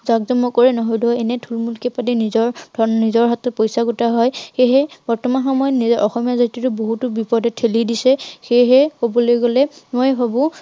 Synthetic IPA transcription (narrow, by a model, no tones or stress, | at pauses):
zaɡzɔmːɔkɔɹɛnɔɦojdɔɛnɛtʰulmulkɛpadinizɔɹdʱɔnnizɔɹɦatɔpojsaɡutaɦɔjxeɦɛb̥ɔɹtɔmanxɔmɔjɔtnizɛʔɔxɔmijazatɹitʊboɦutʊbipɔɹdɛtʰelidisɛxeɦɛhobɔlojɡolɛmojbʱabʊ̃